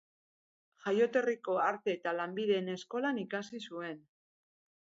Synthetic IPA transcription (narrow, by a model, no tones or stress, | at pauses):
ʝajo̞t̪e̞riko̞aɾt̪e̞ːt̪alambiðe̞ːne̞sko̞lanikasisue̞n